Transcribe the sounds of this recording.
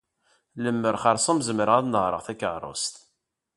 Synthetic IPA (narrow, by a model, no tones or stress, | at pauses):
ləmːəɾχɑɾˤsˤəmzəməɾəʁæðnəʁɾˤə̰ʁθækːəʕɾˤo̰st̪